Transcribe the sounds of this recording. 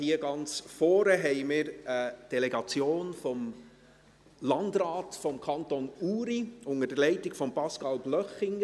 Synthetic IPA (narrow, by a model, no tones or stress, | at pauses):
hiːəɡɑnt͡sfɔːɾəɦɛɪmɪɾəd̥ɛlɛɡɑt͡sjoːnfɔm | lɑndɾaːtfɔmkʰɑntonuːɾiʊŋəd̥əlɛɪtɪɡ̥fɔmpɑskɑlb̥lœχɪŋ